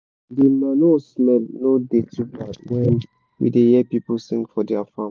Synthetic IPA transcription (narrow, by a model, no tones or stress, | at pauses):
demanosmɛlnodetubatwɛ̃n | wḭdejɛpipəlsĩŋkfɔdɛafãm